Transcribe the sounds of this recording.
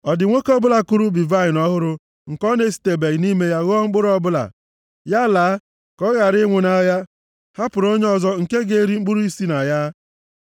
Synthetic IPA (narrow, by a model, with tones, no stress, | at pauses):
ɔ˨dɪ˨ŋʷo˦kɔ˦bʊ˦la˨ku˦ɾu˦bi˨va˦˨ɪ˨nɔ˦ɦʊ˦ɾʊ˦ | ŋ̩˨kɔ˦ne˦si̥˨te˨be˨ɣni˦me˦ja˦ɣo˦ɔ˦ŋ͡m̩˦k͡pʊ˦ɾɔ˦bʊ˦la̰˨ | ja˦laː˨˦ | kɔ˦ɣa˨ɾɪ˦ŋʷʊ˨na˦ja˦ | ha˦pʊ˨ɾo˦ɲe˦ɔ˦zɔ˦ŋ̩˨ke˦ɡe˨˦ɾi˦ŋ͡m̩˦k͡pu˦ɾu˦i˦si˦na˨ja˦